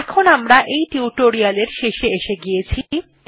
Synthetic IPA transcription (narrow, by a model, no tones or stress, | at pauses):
ɛkʰonamɾaʔejʈiuʈoɾialeɾʃeʃeeʃeɡijet͡ɕʰi